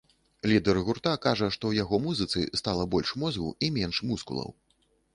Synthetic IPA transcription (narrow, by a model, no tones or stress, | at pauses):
lʲid̪ɛrɣurt̪akaʐɐʂt̪ɔwjaɣɔmuzɨt̪sɨ̰st̪alˠɐbɔlʲʂmɔzɣṵimʲɛnʂmuskṵlˠɐ̰w